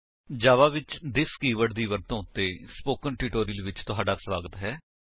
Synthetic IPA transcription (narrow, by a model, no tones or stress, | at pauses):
d͡ʒaːʋaːʋɪt͡ʃd̪ɪskiːʋəɽd̪iːʋəɾt̪õːʊt̪ːeːspoːkənʈɪʈoːɾilʋɪt͡ʃt̪ʊɦaːɖaːsʋaːɡət̪ɦɛː